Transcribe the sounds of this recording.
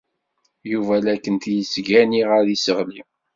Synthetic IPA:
juvælækːənt̪jəsɡæniʁaðisəʁli

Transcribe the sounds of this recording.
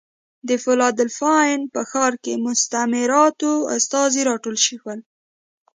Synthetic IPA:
d̪əfʊlɑd̪əlfɑjnpəxɑɾkemʊst̪amɪɾɑt̪oa̰st̪ɑziɾɑʈolʃixwəl

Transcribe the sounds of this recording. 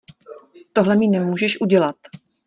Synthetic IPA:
t̪oɦlɛmɪnɛmuːʒɛʃʔuɟɛlat̪

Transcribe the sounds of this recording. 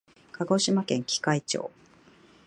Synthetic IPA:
kʰaɡo̞ɕimakẽ̞ŋkʲi̥kait͡ɕo̰ː

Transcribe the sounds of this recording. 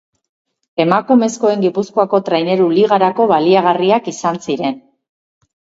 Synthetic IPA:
e̞makume̞sko̞e̞ŋɡipuskoako̞t̪ɾajne̞ɾuliɣ̞aɾako̞βaliaɣ̞ariakisansiɾe̞n

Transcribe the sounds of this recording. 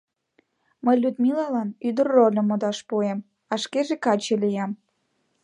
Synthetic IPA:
məjlʲud̪milɑlɑnyd̪ərːolʲə̆mod̪ɑʃpuem | ɑʃkeʒekɑt͡ɕelijɑm

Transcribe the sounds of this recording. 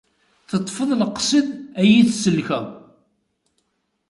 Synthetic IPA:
θət̪ˤːfəðˤləqːsˤiðæjiθsəlːçæ

